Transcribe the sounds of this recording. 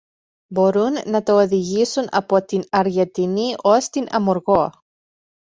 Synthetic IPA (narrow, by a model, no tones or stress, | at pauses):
bo̞ɾunːɐt̪ooðiʝisunɐ̰po̞t̪inɐɾʝent̪iniʔo̞st̪inɐmoɾɣo̞